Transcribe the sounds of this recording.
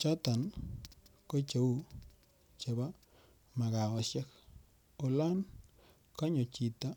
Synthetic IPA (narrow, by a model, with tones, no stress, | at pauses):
t͡ʃa˦t̪a˨n | ko˦t͡ʃo˨˦wu˦˨ | t͡ʃa˨ba˦ | ma˨ɣa˨wa˨ʃja˦k | o˨la˦n | ka˦ɲo˨t͡ʃi˨t̪a˦